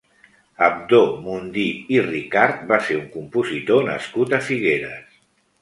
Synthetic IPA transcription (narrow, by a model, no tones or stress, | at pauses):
əb̚d̪omund̪iirikaɾt̪̚baseɾuŋkumpuzit̪onə̰skut̪əfiɣeɾəs